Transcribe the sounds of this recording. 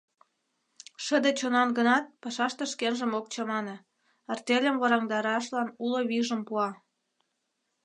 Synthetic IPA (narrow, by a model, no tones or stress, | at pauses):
ʃə̆d̪et͡ɕonɑnɡənɑt̪̚pɑʃɑʃt̪ĕʃkenʒə̆mok̚t͡ɕɑmɑnĕ | ərt̪elʲəmβɑɾɑŋd̪ɑɾɑʃlɑnuloβiʒə̆mpuɑ